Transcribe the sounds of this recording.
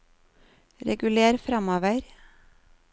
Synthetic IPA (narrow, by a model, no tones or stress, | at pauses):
ɾɛ̰ɡʉleːɾfɾɑmoːʋəɾ